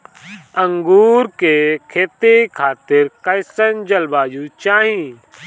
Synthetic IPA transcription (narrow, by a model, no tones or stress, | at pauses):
ə̃ŋɡuːɾkekʰeːt̪ekʰaːt̪ɪɾkɐjsənd͡ʒɐlbaːjut͡ʃaːɦĩ